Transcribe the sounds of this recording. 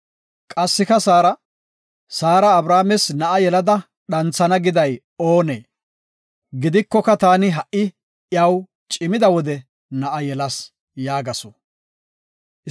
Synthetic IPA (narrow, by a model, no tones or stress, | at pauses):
kʼɐsːɪkɐsaːɾɐ | saːɾɐːbɾaːmɛsnɐʔɐjɛlɐd̪ɐ | ɗɐnt͡sːɐnɐɡɪd̪ɐj | oːnḛː | ɡɪd̪ɪkːɔkɐt̪aːnɪɦɐʔɪ | jɐw | t͡ʃʼɪmɪd̪ɐwɔd̪ɛ | nɐʔɐjɛlɐs | jaːɡɐsɔ